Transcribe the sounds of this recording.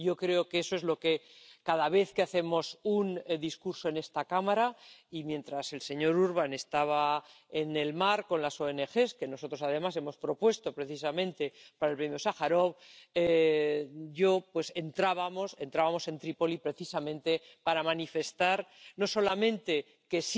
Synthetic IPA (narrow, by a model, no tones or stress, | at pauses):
ɟ͡ʝo̞kɾe̞okeesoe̞zlo̞ke̞kað̞aβ̞e̞θkeaθe̞mo̞sund̪iskuɾso̞e̞ne̞st̪akamaɾaimje̞nt̪ɾase̞lse̞ɲo̞ɾuɾβ̞ane̞st̪aβ̞a | ene̞lmaɾko̞nlaso̞e̞ne̞xe̞ske̞no̞so̞t̪ɾo̞sað̞e̞mase̞mo̞spɾo̞pwe̞st̪o̞pɾe̞θis̬amẽ̞nt̪e̞paɾaelpɾemjosaxaɾo̞βe | ʝo̞pwese̞nt̪ɾaβamo̞se̞nt̪ɾaβamo̞se̞nt̪ɾipo̞lipɾe̞θisamẽ̞nt̪e̞ | paɾamanife̞st̪aɾno̞so̞lamẽ̞nt̪e̞ | ke̞s